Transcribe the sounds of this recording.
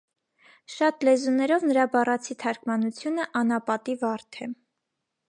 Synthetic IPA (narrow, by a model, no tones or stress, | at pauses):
ʃɑt̪lɛzunɛɾɔvnəɾɑbɑrɑt͡sʰit̪ʰɑɾkmɑnut͡sʰjunəʔɑnɑpɑt̪ivɑɾt̪ʰɛ